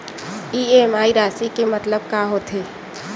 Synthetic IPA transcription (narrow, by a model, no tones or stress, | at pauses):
iemaːiɾaːsikemət̪ləbkaɦot̪ʰe